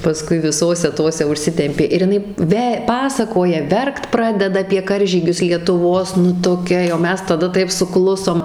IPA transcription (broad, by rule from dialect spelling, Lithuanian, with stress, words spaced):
pɐˈskʊɪ ʋʲɪˈsoːsʲɛ ˈtoːsʲɛ ʊʃʲˈsʲɪtʲɛmʲpʲeː ɪr jɪˈnɐɪ ˈʋʲɛ ˈpɑːsɐkoːjɛ ˈʋʲɛrkt ˈprɑːdʲɛdɐ ɐpʲiɛ ˈkɐrʲʒʲiːɡʲʊs lʲiɛtʊˈʋoːs nʊ toːˈkʲɛ jɛʊ ˈmʲɛs tɐˈdɐ ˈtɐɪp sʊˈklˠʊsoːm